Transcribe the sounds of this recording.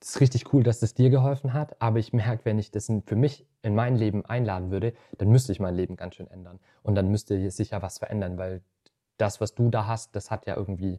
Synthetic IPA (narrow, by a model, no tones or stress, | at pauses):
ɪ̥sʁɪç̬tɪçkʰuːldasɛsd̥iːɐɡəɦɔlfn̩ɦatʔaːbɐɪçmɛɐkəvɛnɪçd̥asfyːɐmɪç | ɪnmaɪnleːbm̩ʔa̰ɪnlaːdn̩vʏɐɾə | d̥anmʏstəɪçmaɪnleːbm̩ɡ̥ansʃøːnʔɛ̰ndɐn | ʔʊntd̥anmʏstəz̥ɪçjaːvasfɛɐʔɛ̰ndɐnvaɪl | d̥asv̥asd̥uːdaːɦast̚d̥ashatjaːʔɪ̰ɐɡŋ̩tv̥iː